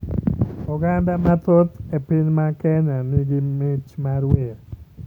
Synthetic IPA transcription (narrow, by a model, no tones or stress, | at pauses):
ɔɡand̪amat̪ot̪epɪnmakɛnanɪɡɪmɪt͡ʃmaɾwe